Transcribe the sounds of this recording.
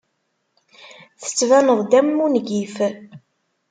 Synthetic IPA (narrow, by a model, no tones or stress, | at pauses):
θə̥t͡sːvænəðˤd̪æmːunɡif